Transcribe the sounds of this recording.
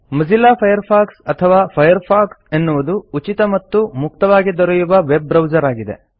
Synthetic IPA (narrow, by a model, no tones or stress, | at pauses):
mɐzilaːpʰɐjɐɾpʰaːksɐt̪ʰɐʋaːpʰɐjɐɾpʰaːksenːuʋɐd̪uut͡ʃit̪ɐmɐt̪ːumuk̚t̪ɐʋaːɡid̪ɔɾɛjuʋɐʋebːɾɐwd͡ʒɐɾaːɡid̪e̞̰